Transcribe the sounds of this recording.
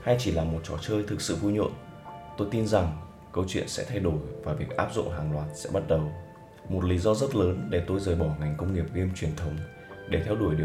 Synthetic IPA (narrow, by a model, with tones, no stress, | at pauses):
ha˧jt͡ɕi˧˩laː˨˩mo˨˩t̚t͡ɕɔ˧˩t͡ɕəː˧jt̪ʰɨ˨˩k̚sɨ̰˧˨vu˧jɲṵ˧˨ən | t̪o˧jt̪i˧nza˨˩ŋ | kə˧wt͡ɕwḭ˧˨ənsɛ̰˧˥t̪ʰa˧jɗo˧˩jvaː˨˩vi˨˩ək̚ʔaː˦˥p̚zʊ̰˧˨ŋ͡mɦaː˨˩ŋlwaː˨˩t̚sɛ̰˧˥ɓa˦˥t̚ɗə˨˩w | mo˨˩t̚li˨˦zɔ˧zə˦˥t̚ləː˨˦nɗe˧˩t̪o˧jzəː˨˩jɓɔ˧˩ŋa˨˩jŋ̟kə˧wŋ͡mŋi˨˩əp̚ɣi˧mt͡ɕwi˨˩ənt̪ʰə˨˦wŋ͡m | ɗe˧˩t̪ʰɛ˧wɗu˧˩əjɗi˨˩